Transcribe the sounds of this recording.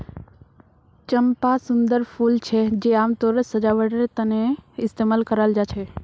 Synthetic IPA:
t͡ʃəmpasʊnd̪əɾpʰuːlt͡ʃʰɛd͡ʒeaːmt̪oːɾəsəd͡ʒaʋəɽəɾt̪ənẽɪst̪eːmaːlkəɾald͡ʒaːt͡ʃʰe

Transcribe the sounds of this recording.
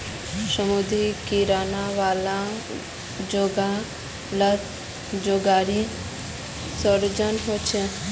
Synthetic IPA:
ʃəmud̪ʱikiɾanaʋala | d͡ʑoɡa | la | d͡ʑoɡaɾi | sɔɾd͡ʑanɦot͡ɕʰe

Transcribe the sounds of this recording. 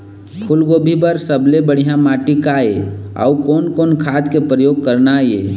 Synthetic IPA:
kʰulɡoːbʱibəɾsəblebəɽ̤ijãmaʈikaea̰ukoːnkonkʰaːt̪kepɾəjoːɡ̚kəɾnajḛ

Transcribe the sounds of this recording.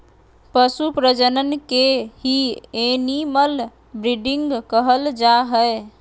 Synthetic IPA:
pəsupɾəd͡ʒənənkeɦieniməl | bɾiɖiŋɡkəɦəld͡ʒaɦə

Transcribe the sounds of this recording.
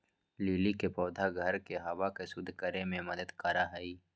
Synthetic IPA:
liːlikepɔːd̪ʱaɡʱɐɾkeɦɐʋakesʊd̪ʱkəɾemẽmɐd̪əd̪kɐɾaɦɐiː

